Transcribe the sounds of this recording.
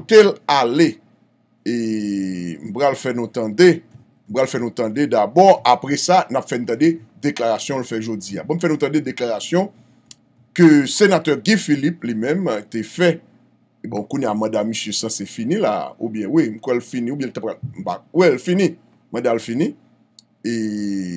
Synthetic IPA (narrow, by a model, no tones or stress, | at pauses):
kot̪elale | e | m̩pɣalfɛnũt̪ãde | m̩pʁalfɛnũt̪ãded̪abɔapʁɛsanapfɛnũt̪ãded̪eklaʁasjɔ̃lfɛʒod͡zia̰bõm̩fɛnũt̪ãded̪eklaʁasjɔ̃ | køsenat̪œʁɡĩfiliplimɛ̃mt̪efɛ | bɔ̃kunejamɑ̃damːisjøsãsefinĩla̰ṵbjɛ̃wim̩kwɛlfinĩubjɛ̃lt̪apalm̩pa̰wɛlfinĩ | mɑ̃dalfinĩ | e